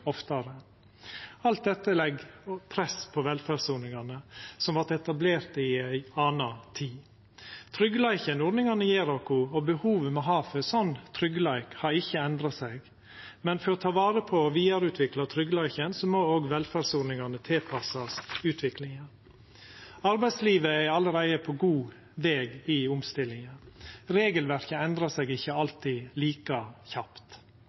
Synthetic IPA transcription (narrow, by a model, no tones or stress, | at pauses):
ɔft̪ɑɾə | ɑlt̪̚d̪ɛt̪ːəlɛɡpʰɾɛspʰɔʋɛlfædsunɪŋɑnəsɔmʋɑt̪ɛt̪ɑbleːɾt̪əɪæɪɑːnɑt̪ʰiː | t̪ʰɾʏɡlæɪçənuːɖ̪nɪŋɑnəjeːɾɑkʊɔbəhuːʋəmɛɦɑːfəsɔnt̪ʰɾʏɡəlæɪkhɑɾɪçːəɛnd̪ɾɑsɛɡ | mɛnfɔɾɔt̪ʰɑːʋɑːɾəpʰɔʋiːɑɾʉːt̪ʰʋɪklɑt̪ʰɾʏɡlæɪçənsɔmoːoːɡʋɛlfædsʊɖnɪŋɑnət̪ʰɪlpʰɑsɑsʉːt̪ʰʋɪklɪŋə | ɑɾbæɪd̪sliːʋəæɑlːəɾæɪəpʰɔɡuː | ʋeːɡɪʊmst̪ɪlːɪŋəɾeːɡəlʋæɾçəɛnd̪ɾɑsɛɡɪçːəɑlt̪iːliːkɑçɑpt̪